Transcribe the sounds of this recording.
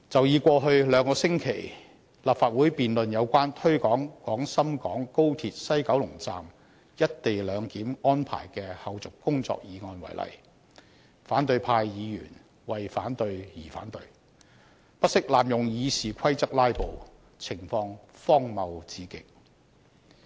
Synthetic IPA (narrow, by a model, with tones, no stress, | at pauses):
t͡sɐ˨wjiː˨˧kʷɔː˧ɦɵ˧ɥlœː˨˧ŋkɔː˧sɪ˥ŋkʰe˨˩j | laː˨p̚faː˨t̚wuː˨˥jpiː˨nlɵ˨njɐ˨˧wkʷaː˥nt̪ʰɵ˥ɥkɔː˨˥ŋkɔː˨˥ŋsɐ˥mkɔː˨˥ŋko˥wt̪ʰiː˧t̚sɐ˥jkɐ˨˥wlʊ˨˩ŋt͡sa̰ː˧m | jɐ˥t̚t̪e˨jlœː˨˧ŋkiː˨˥mɔː˥npʰa̰ː˨˩jkɛː˧hɐ˨˧wt͡sʊ˨kkʊ˥ŋt͡sɔ̰ː˧k̚jiː˨˧ŋɔː˧nwɐ̰˨˩jlɐ̰˨˩j | faː˨˥nt̪ɵ˧ɥpʰaː˧jjiː˨˧jy̰ː˨˩n | wɐ˨jfaː˨˥nt̪ɵ˧ɥjiː˨˩fa̰ː˨˥nt̪ɵ˧ɥ | pɐ˥t̚sɪ˥k̚laː˨mjʊ˨ŋjiː˨˧siː˨kʷʰɐ˥jt͡sɐ˥k̚laː˥jpo˨w | t͡sʰɪ˨˩ŋfɔː˧ŋfɔː˥ŋmɐ˨wt͡siː˨˧kɪ˥k̚